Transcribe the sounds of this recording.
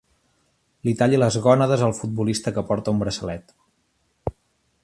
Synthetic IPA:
lit̪aʎiləzɣɔnəðəzəlˠfud̪̚bulist̪əkəpɔɾt̪əumbɾəsəlɛt̪

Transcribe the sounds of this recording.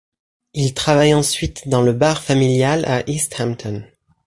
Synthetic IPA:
ilt̪χavajɑ̃sɥit̪d̪ɑ̃ləbaʁfamiljala̰ʔist̪hamt̪ʰɔn

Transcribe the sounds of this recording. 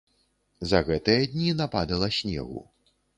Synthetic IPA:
zɐɣɛt̪ɨjɐd̪ʲnʲinapad̪ɐlˠɐsʲnʲɛ̰ɣṵ

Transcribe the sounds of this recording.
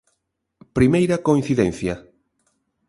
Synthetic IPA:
pɾimejɾɐkoĩn̟θiðɛ̃nθjɐ

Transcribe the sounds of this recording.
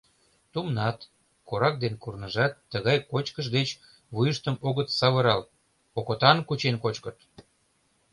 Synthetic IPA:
t̪umnɑt̪ | koɾɑk̚d̪enkurnəʒɑt̪ːəɣɑjkot͡ɕkəʒd̪et͡ɕ | βujəʃt̪əmoɣət̪sɑβəɾɑl | okot̪ɑnkut͡ɕenkot͡ɕkət̪

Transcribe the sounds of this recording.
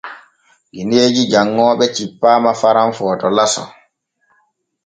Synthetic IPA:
ɡineːd͡ʒid͡ʒaŋːɔːɓɛt͡ʃipːaːmafaɾamfɔːtɔlasɔ̰

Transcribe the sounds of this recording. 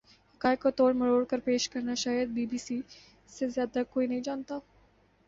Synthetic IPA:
hɐkaːjkot̪oːɽmɐɽoːɽkəɾpeːʃkɐɾnaʃaːjəd̪̚biːbiːsi | sezjaːd̪akoːinɐɦĩd͡ʒaːnt̪a

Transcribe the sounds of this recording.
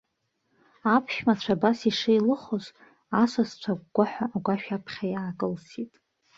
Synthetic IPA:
apʰʃᶣmat͡ɕʷʰabasiʂɨjlɨχoz | asʷast͡ɕʷʰak̚ʷɡʷaħʷᶣaʔːɡʷaʃᶣapʰχʲajaːkʼɨlsitʼ

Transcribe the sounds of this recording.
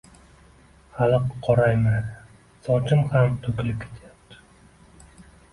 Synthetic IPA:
halɨqʰːɒɾajmanɪ | sɒt͡ʃʰɪmhamt̪ʰɵkʲlɪp̚kʲʰːe̥t̪ʰjap̚t̪ʰɪ̥

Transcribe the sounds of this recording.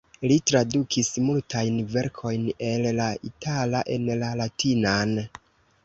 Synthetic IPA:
litɾadukʰismultʰajnve̞ɾkʰo̞jne̞llaitʰalaʔe̞nlalatʰinan

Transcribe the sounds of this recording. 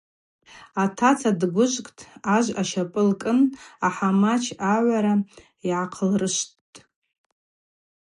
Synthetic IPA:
atʰat͡sʰadɡʷʊʒʷkʼtʰʼaʒʷaʃapʼɨlkʼɨnaħamat͡ʃʰaʕʷaɾa | iʕaqʰəlrɨʃttʼ

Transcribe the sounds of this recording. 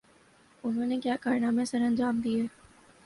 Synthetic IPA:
ʊnɦõːnekjaːkaːɾnaːmẽsɐɾɐ̃nd͡ʒaːmd̪ieː

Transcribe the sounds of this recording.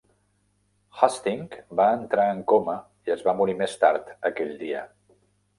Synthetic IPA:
xast̪iŋkbaənt̪ɾaəŋkomə | iəzβamuɾimest̪aɾt̪əkɛʎd̪iə

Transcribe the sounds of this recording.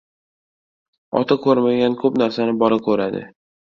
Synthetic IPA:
ɒ̰t̪ʰakʰɵɾmaɡʲankʰɵpnaɾsanɪbɒɾakʲʰɵɾad̪ɪ̰

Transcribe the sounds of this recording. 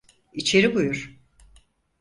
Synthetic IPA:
it͡ʃʰe̞ɾibujuɾ̥

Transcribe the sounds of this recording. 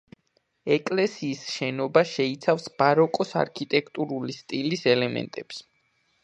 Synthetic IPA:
ɛkʼlɛsiːsʃɛnɔbaʃɛit̪sʰafsb̥aɾɔkʼɔsa̰ɾkʰit̪ʼɛkʰt̪ʼuɾulist̪ʼilisɛlɛmɛ̰nt̪ʼɛps

